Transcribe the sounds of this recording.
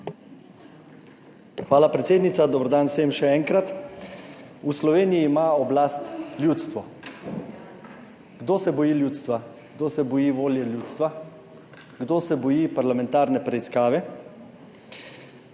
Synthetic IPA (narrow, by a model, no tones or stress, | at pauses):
xʋaːlapɾɛt̪seːd̪nit̪sad̪ɔbɾɔd̪aːnwsemʃɛɛːŋkɾat̪ | uslɔʋeːnijiːmaɔblaːst̪ljuːt̪st̪ʋɔ | ɡ̥d̪oːsɛbɔjiːljuːt̪st̪ʋa | ɡd̪oːsɛbɔjiːʋoːljɛljuːt̪st̪ʋa | ɡd̪oːsɛbɔjiːpaɾlamɛ̃nt̪aːɾnɛpɾɛiskaːʋɛ